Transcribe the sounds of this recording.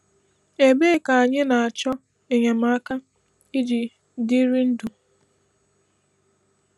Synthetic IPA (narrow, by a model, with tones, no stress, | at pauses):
e˨˦be˦ka˨a˨ɲɪ˦na˨a˨t͡ʃɔ˦ | e˨ɲa˨ma˦a˦ka˦ | i˦d͡ʒi˨ | di˦ɾi˦n̩˦du˨